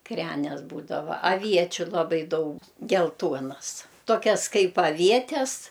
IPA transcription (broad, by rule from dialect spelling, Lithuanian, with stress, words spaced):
ˈkrʲæːnʲɛs ˈbuːdɐʋɐ ɐˈʋʲiɛt͡ʃʲʊ lˠɐˈbɐɪ ˈdɐʊk ɡʲɛlˠˈtuɔnɐs toːˈkʲɛs ˈkɐɪp ɐˈʋʲiɛtʲɛs